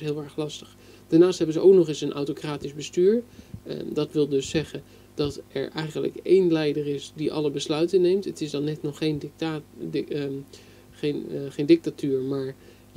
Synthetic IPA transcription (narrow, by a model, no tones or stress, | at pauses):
ɦɪːlˠɛɹχlɑstə̥χ | d̥aɹnaːstɦɛbənzəʔowknɔχɪsənʔa̰wtokraːtizbəstyːɹ | dɑtʋɪlˠdɵsːɛχən | d̥ɑtɛ̰ɹʔɛjχənlə̰kejnlɛjdərɪsdiʔɑ̰ləbəslœɥtənːejmtətɪsdɑnːɛtnɔχejn | χenχejndɪk̚tatyːɹmaːɹ